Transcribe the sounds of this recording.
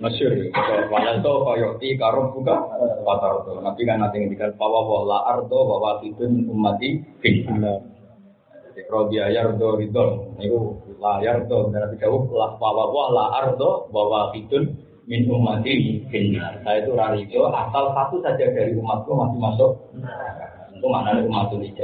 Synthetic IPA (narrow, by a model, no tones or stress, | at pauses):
məsʊrt̪ɔwadast̪ɔpajɔk̚t̪ikaɾɔp̚dukapat̪ard̪ɔnapikanːat̪iŋədikanpawabɔahlaʔart̪ɔhbawakit̪ʊnmɪnumːat̪ifinina | irɔbiajard̪ɔdid̪ɔnik̪ulajard̪ɔt̪anap̬isabʊk̚lapawaboahlaʔart̪ɔhbawakit̪ʊn | mɪnumːat̪ifinbinansajat̪uɾaɾid̪ɔʔasalsat̪usad͡ʒadaɾiumat̪̚kɔhmasimasɔk̚ | unt̪umananiumat̪unit͡ʃa